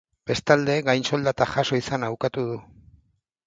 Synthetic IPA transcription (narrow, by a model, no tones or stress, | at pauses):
b̥e̞st̪ald̪e̞ɡajnso̞ld̪at̪axaso̞isanawkat̪uð̞u